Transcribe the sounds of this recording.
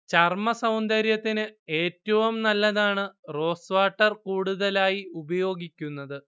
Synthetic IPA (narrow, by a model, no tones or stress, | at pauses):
t͡ɕɐrmɐsɐwnd̪ɐɾjɐt̪ːinɨeːtːɐʋumnɐlːɐðaːɳɨro̞ːsʋaːʈːɐrkuːɽuðɐlaːjiubɐjo̞ːɡikʲːunːɐðɨ